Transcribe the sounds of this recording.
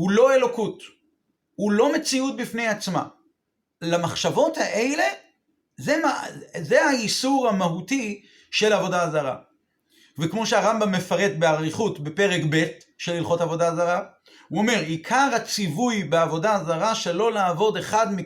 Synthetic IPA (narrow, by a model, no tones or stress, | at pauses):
hulo̞e̞lo̞kut | hulo̞me̞t͡siut̚bifne̞jat͡sma̰ | lamaχʃavo̞thaʔe̞le̞ | zemazeaisuʁamaɦuti | ʃe̞lavo̞dazaʁa̰ | vekmo̞ʃeaʁambamːe̞faʁe̞t̪beaʁiχutbe̞pe̞ʁekbe̞t | ʃe̞lilχo̞tavo̞dazaʁa | uome̞ʁikʰaʁhat͡sivujbeavo̞daːzaʁaʃe̞lo̞laːvo̞deχadmi